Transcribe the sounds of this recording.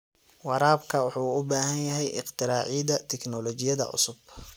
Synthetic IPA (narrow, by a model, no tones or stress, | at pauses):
wɑɾaːbkʰɐwʊħuːʊbaːɦɐnjɐɦɛjʔɪ̰qt̪ʰɪɾaːʕid̪ɐt̪ʰɛknɔlɔːt͡ʃɪjɐðɐ̰ʕʊ̰sʊb